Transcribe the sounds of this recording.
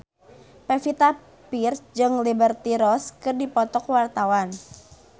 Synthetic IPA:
pɛfit̪a | pird͡ʒɨŋlibərt̪iɾɔskɨrdipɔt̪ɔkwart̪awan

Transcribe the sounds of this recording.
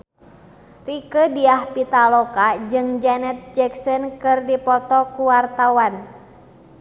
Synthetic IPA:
rikədiahpit̪alɔkad͡ʒɨŋd͡ʒanɛt̪̚d͡ʒɛksɔnkɨrdipɔt̪ɔkuwart̪awan

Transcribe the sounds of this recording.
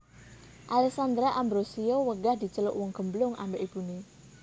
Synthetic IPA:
ʔalɛksand̪ɾaʔambɾosiowəɡahd̪̥i̤t͡ʃəlʊ̰ʔwɔŋɡ̥ə̤mblʊŋʔa̰mbeʔib̥une

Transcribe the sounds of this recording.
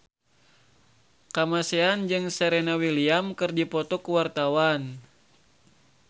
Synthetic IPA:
kamaseand͡ʒɨŋsɛɾenawiliamkɨrdipɔt̪ɔkuwart̪awan

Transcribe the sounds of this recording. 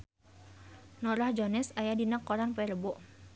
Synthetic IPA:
nɔɾahd͡ʒɔnɛsajadinakːɔɾanpɛɾəbɔʔ

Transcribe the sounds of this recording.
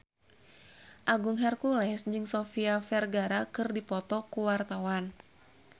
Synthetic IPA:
ʔaɡuŋɦɛrkulɛsd͡ʒɨŋsɔfiafɛrɡaɾakɨrdipɔt̪ɔkuwart̪awan

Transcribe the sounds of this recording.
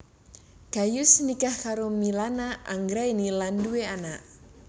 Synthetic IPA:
ɡ̥ajusnikahkaɾomilanaʔaŋɡɾainilandueanaʔ

